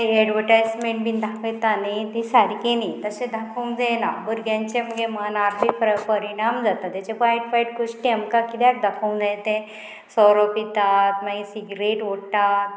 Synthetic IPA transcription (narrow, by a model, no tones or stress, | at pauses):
ɛɖʋəɾʈajsmẽɳʈbind̪ʱakʰet̪anet̪isaɾikenit̪əsẽd̪ʱakʰəw̃nd͡zajnabəɾɡjãɲt͡ɕeməɡemanaɾlipɾəpəɾiɽ̃amd͡zat̪at̪jat͡ɕẽkajʈfajʈ̚ɡuʂʈiamkakit̪jak̚d̪ʱəkʰəũnd͡zãjẽt̪ẽ | sɔɾopit̪at̪maɡisiɡɾeʈʋoʈat̪̚